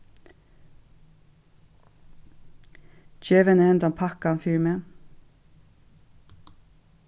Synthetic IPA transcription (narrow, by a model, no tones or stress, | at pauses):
t͡ɕɛːvɛnəɛnt̪ampʰahkanfiːɾɪmɛ